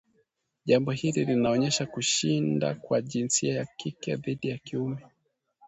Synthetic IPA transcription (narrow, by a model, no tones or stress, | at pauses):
ʄambɔhililinaɔɲɛʃakuʃinda̰kwaʄinsiajakikɛ̰ðiɗijakiumɛ